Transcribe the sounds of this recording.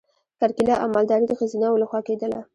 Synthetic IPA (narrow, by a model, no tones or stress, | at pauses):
kaɾkilɑʔamald̪ɑɾid̪əxazinawlaxwɑked̪əla̰